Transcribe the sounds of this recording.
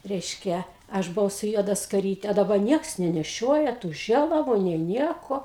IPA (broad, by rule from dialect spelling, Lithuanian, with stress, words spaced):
rʲɛɪʃʲˈkʲɛ ˈɐʃ bʊˈʋɐʊ sʊ ˈjuɔdɐ skɐˈrʲiːtʲɛ ɐ dɐˈbɐ ˈnʲiɛks nʲɛnʲɛˈʃʲoːjɛ tuː ˈʒʲeːlˠɐʋʊ nʲeː ˈnʲiɛkoː